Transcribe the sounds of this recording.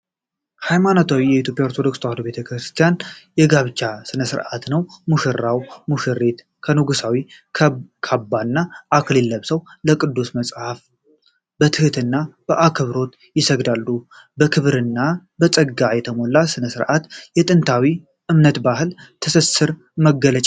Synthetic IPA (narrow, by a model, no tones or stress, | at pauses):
hajmanot̪ʰawijɛit̪jo̞pʼjaoɾt̪ʰo̞d̪o̞kst̪ʰahod̪be̞t̪ʰəkɾɨst̪ʰijanjɛɡaβt͡ʃːasɨnəsɨɾʔa̰t̪nəwmuʃɨɾːawmuʃɨɾet̪ | kʰənuɡusawi | kʰabːanːaʔːkʰlilːəβsəwləkʼɨd̪ːusməsʼhaf | bət̪ʰɨhɨt̪ʰɨnːab̥əʔakʰɨβɾo̞t̪ | jɪsəɡd̪alːu | bəkʰɨβɾɨnːabəsʼəɡajɛt̪ʰəmo̞lasɨnəsɨɾʔat̪jɛt̪ʼɨnt̪ʰawi | ʔɨmnət̪baɦɨlt̪ʰəsəsɨɾ | məɡːələt͡ʃʼ